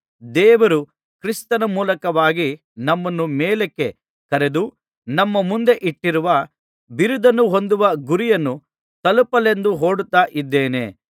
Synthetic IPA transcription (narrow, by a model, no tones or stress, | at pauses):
d̪ɛːʋɐɾu | kɾist̪ɐnɐmuːlɐkɐʋaːɡi | nɐmːɐnːumeːlekːe̞ | kɐɾe̞d̪u | nɐmːɐmund̪e̞ʔiʈːiɾuʋɐ | biɾud̪ɐnːuɦo̞nd̪uʋɐɡuɾijɐnːu | t̪ɐlupɐle̞nd̪uɦo̞ːɽut̪ːaːʔid̪ːeːne̞̰